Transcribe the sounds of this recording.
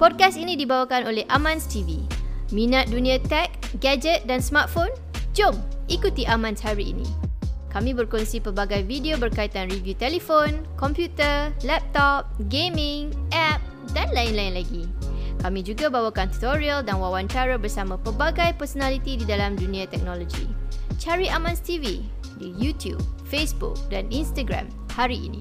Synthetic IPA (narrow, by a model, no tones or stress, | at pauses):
pɔd̚kasinĩdibawakanolehʔamãnst̪ivimĩnat̪̚dunĩãt̪ɛk̚ɡad͡ʒət̪̚dansmart̪̚fon | d͡ʒomʔikut̪iʔamãnshaɾiḭnḭ̃kamĩbərkɔnsipəbaɡajvidiobərkait̪anrivjut̪ɛlefonkɔmpjut̪ərlɛp̚t̪ɔp̚ɡemĩŋʔɛp̚ | danlaɪnlaɪnlaɡikamĩd͡ʒuɡabawakant̪u̥t̪oɹialdanwawant͡ʃaɾabərsamãpəbaɡajpərsonalit̪ididalamdunĩat̪ɛk̚nɔlɔd͡ʒḭt͡ʃaɾiʔamãnst̪ivi | dijut̪ʰjṵb̚fesbṵk̚daninst̪aɡɾã̰m | haɾiʔḭnḭ̃